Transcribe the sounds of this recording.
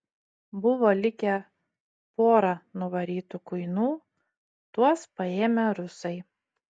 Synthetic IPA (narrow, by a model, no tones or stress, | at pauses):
bʊʋoːlʲɪkʲɛ | poːɾɐnʊʋɐɾʲiːt̪ukʊɪnuː | t̪uɔspɐeːmʲɛɾʊsɐɪ